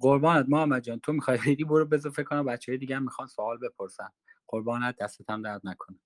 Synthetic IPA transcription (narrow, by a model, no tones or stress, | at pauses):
ɢoɾbɒːnæd̪̚mɒːæmæd͡ʒɒːnt̪ʰomixɒjxejd̪iːboɾobe̞zofekʰːonæmobæt̪t͡ʃʰːeɦːjed̪iɟææmːixɒːnsoɒːlbe̞pʰoɾsæn | ɢ̥oɾbɒːnæd̪̚d̪ːæst̪et̪ʰæmd̪æd̪nækʰonæ